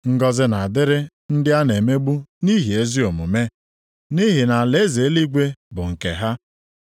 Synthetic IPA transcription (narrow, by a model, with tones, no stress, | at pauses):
ŋ̩˦ɡɔ˦zɪ˦na˨a˨dɪ˦ɾɪ˦ | n̩˦dɪ˦a˦ne˨me˦ɡ͡bu˦ni˦ɦi˨e˦zi˦o˨mu˨me˦ | ni˦ɦi˨na˨le˦ze˨e˦li˦ɡʷe˦bʊ˨ŋ̩˨kḛ˨ɦa˦